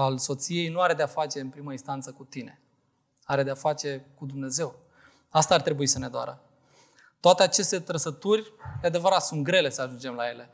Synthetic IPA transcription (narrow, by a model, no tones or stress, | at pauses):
also̞t̪sije̞jnuaɾe̞d̪eafat͡ʃe̞ɨnpɾiməinst̪ant̪səkut̪ine̞̰ | aɾe̞d̪eafat͡ʃe̞kud̪umne̞ze̞w | ast̪aːrt̪ɾe̞buisəne̞d̪oa̰ɾə | t̪oat̪eat͡ʃe̞st̪e̞t̪ɾəsət̪urʲd̪ead̪e̞vəɾat̪sunt̪̚ɡɾe̞le̞səaʒund͡ʒe̞mlaje̞le̞